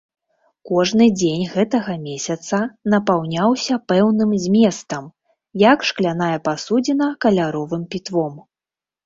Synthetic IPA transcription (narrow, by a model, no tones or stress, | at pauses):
kɔʐnɨd͡zʲenʲɣɛt̪ɐɣɐmʲesʲɐt̪sɐnɐpawnʲawsʲɐpɛwnɨmzʲmʲɛst̪ɐm | jakʂklʲanajɐpasud͡zʲinɐkɐlʲaɾɔvɨmpʲit̪vɔm